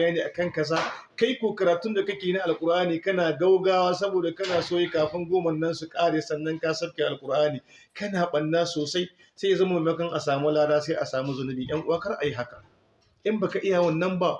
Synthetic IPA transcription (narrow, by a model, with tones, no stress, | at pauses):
jaː˦neː˨ʔa˨kɐ˦ŋkɐ˦s̬aː˦ka˦jkʷoː˨kɐ˨ɾaː˨tʊ˦nda˨kɐ˦kʲeː˨jna˦ʔa˨lkʷʼʊ˨ɾʔaː˦niː˨kɐ˦naː˨ɡa˦wɡaː˦waː˦s̬ɐ˦boː˨da˨kɐ˦naː˨soː˦ji˦kaː˨ɸɪ˦ŋɡʷoː˦mɐ˨nːɐ˦nsu˨kʼaː˦ɽeː˨sɐ˦nːɐ˦ŋkaː˦sɐ˦bkʲe˨ʔa˨lkʼʊ˨ɾʔaː˦niː˨ | kɐ˦naː˨ɓɐ˨nːaː˦soː˨sa˦j | se˦ja˨zɐ˦ma˦e˨mɐ˦kɐ˦ŋʔa˨saː˨mu˦laː˦daː˦sa˦ʔa˨saː˨mu˦zʊ˦nʊ˦bi˨j̰ʔɐ˦ŋʔʊ˦waː˦kɐ˦rʔa˨ji˦ɦa˦ka˨ | ʔɪ˦mbaː˨ka˨ʔɪ˦ja˨wɐ˦˨nːɐ˦mba˦ʔ